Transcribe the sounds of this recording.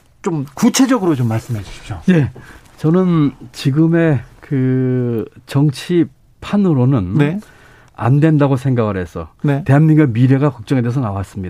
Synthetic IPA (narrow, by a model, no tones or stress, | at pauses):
t͡ɕomkut͡ɕʰe̞d͡ʑʌɡɯɾot͡ɕomːaɭs͈ɯmɦed͡ʑuɕʰi̥p̚ɕ͈oje̞ | t͡ɕʌnɯnt͡ɕiɡɯme̞kɯ | t͡ɕʌŋt͡ɕʰi | pʰanɯɾonɯnne | a̰ndwe̞ndaɡosʰe̞ŋɡaɡɯɭɾɦe̞sʰʌ̰nete̞ɦanmiŋɡamiɾe̞ɡakʌk̚t͡ɕ͈ʌŋe̞des̬ʰʌnawas͈ɯmɲida